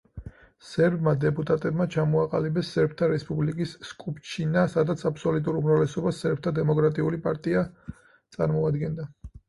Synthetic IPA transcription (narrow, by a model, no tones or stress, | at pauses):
sɛɾbmad̪ɛpʼut̪ʼat̪ʼɛbmat͡ʃʰamɔaqʼalibɛsːɛɾp̚ʰt̪ʰaɾɛspʼublikʼisːkʼupt͡ʃʰinasad̪at̪sʰapʰsɔlut̪ʼuɾumɾavlɛsɔbasɛɾb̚ʰt̪ʰad̪ɛmɔkʼɾat̪ʼiulipʼaɾt̪ʼia | t̪sʼaɾmɔad̪ɡɛnd̪a